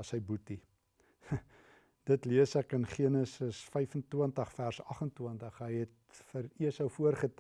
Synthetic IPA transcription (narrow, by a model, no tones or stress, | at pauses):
ɐsəjbuti | d̥ətliəsækənχiənəsəsfɛjfəntuəntəχfærsɐχəntwəntəχɦəjɦɛt̚ | fəɾiəsəwfuərχət